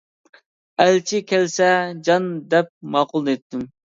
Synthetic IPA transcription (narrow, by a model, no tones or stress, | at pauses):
ɛlt͡ʃʰikʲʰɛlsɛd͡ʒɑnd̪ɛp̚mɑːqʊlˠd̪et̪ːym